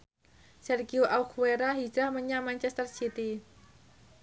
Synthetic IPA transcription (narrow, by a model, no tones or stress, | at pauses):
sɛrɡiuʔaukueɾaɦi̥d͡ʒɾahməɲamant͡ʃɛst̪ərsit̪i